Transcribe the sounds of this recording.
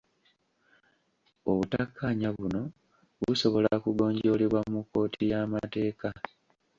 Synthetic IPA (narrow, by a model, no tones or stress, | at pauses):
oβutakːaɲaβuno̞ | βuso̞βo̞lakuɡo̞ːɲɟo̞ːleβwamukːo̞ːtʰijaːmate̞ːka